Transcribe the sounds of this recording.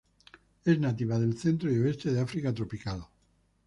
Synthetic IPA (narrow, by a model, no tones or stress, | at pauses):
e̞znat̪iβað̞e̞lθent̪ɾoioest̪eðeafɾikat̪̬ɾopikal